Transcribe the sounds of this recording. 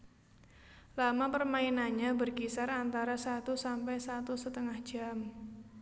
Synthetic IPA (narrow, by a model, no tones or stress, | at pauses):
lamapərmainaɲabərkisarant̪aɾasat̪usampɛjsat̪usət̪əŋahd̥ʒ̥a̤m